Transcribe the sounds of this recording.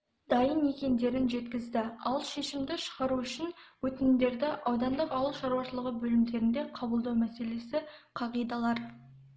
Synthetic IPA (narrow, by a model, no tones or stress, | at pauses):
d̪̥ɑjənːe̞kʲe̞nd̪e̞ɾɪnʒe̞t̪kʲɪzd̪ɪɑlˠʃe̞ʃɪmd̪ɪʃə̥ʁɑɾuʏʃɪnwɵt̪ɪnɪmd̪e̞ɾd̪ɪʔɑwd̪ɑnd̪əqɑwəlˠʃɑɾuwɑʃəlˠəʁəbɵlɪmd̪e̞ɾɪnd̪e̞qʰɑbəlˠd̪ɑwmæse̞le̞sɪqʰɑʁijd̪ɑlˠɑɾ